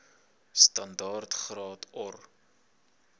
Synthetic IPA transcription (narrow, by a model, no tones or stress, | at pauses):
stɐndɑːrtχrɑːtʰɔr